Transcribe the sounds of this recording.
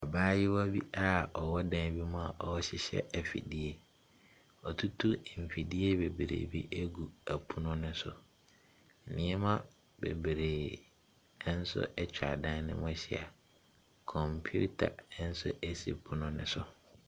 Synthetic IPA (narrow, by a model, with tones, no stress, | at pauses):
a˨baː˦jɪ˦wɔ˦bi˦a˦ɔ˨wɔ˦dã˦n˦bi˦mʊ̃˦a˨ʔɔ˨wɔ˦ɕɪ˦ɕɛ̰˦ʔæ˨fḭ˨di˦e˨ | ɔ˨tʰu˦tʰu˦˨m̩˨fi˨di˦e˦be˨bɾḛː˨bi˦ʔe˦ɡu˨æ˨pʰu˦nʊ̃˦nɪ̃˦sʊ˨ | nɪ̃˦ɛ˦mã˦ | bḛ˨bɾeː˨˦ | n̩˦sʊ̰˦ʔɛ˦t͡ɕᶣa̰˨dã˦n˦nɪ̰̃˦mʊ̃˦ɕɪ˦˨a̰˨ | kʰɔ̃˨mpʰu˦tʰa̰˨˦n̩˦sʊ̰˦ʔæ˦sḛ˨pʰʊ˦nʊ̃˦nɪ̰̃˦sʊ˨